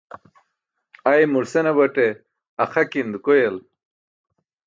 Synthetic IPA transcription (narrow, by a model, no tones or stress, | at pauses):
ajmuɾsenɐbɐʈe | ɐxakind̪kojel